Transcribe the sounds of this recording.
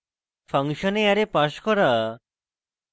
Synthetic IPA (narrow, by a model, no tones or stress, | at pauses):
fʰaŋʃɔneaɾepaʃkɔɾa